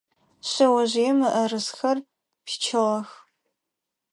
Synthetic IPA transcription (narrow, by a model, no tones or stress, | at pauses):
ɕɐwɐʑiɛmɨʔɐrɨsxɐr | pʰi̥t͡ʃʰɪʁɐx